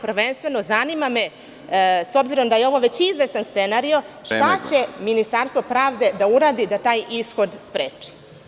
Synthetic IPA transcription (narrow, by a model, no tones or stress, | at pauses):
pr̩ʋenst̪ʋe̞no̞zanimame | so̞bziɾo̞md̪ajeo̞ʋo̞ʋe̞t͡ɕizʋe̞st̪anst̪senaɾioʃt̪at͡ɕe̞minist̪aɾst̪ʋo̞pɾaːʋd̪e̞d̪auɾaːd̪id̪at̪aːjʔisxo̞d̪spɾeːt͡ʂi̥